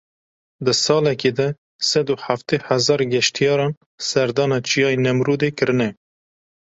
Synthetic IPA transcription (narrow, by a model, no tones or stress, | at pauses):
d̪ɨsɑːlɛkeːd̪ɛ | sɛd̪uħaft̪ehæzɑːɾɡɛʃt̪ʰijɑːɾɑːn | sɛɾd̪ɑːnɑːt͡ʃijɑːinɛmɾuːd̪eːkɨɾɨnɛ